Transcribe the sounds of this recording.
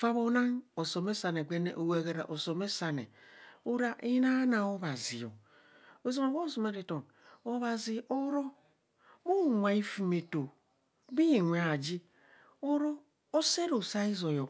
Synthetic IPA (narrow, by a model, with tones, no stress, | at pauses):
fa˦βo˦na˦no˨so˨me˦sa˨ne˨ɡʷe˦nḛ˦˨ʔo˨we˨ɡe˨ɾa̰˨ʔo˨so˨me˦sa˨nḛ˨u˦ɾa˦ʔi˦na˦na˨o˦βa˨zi˨jo̰˨ | o˦zo˦me˨wo˦so˨me˦ɾi˨to˨n | o˦βa˨zi˨ʔo˦ɾo˦ | mo˦˨ŋʷa˨i˦fi˨me˨to˨ | bi˦i˨ŋʷe˨a˨d͡ʒi˦ | o˦ɾo˦ | o˦se˦ɾo˨sa˦i˦zo˨jo˨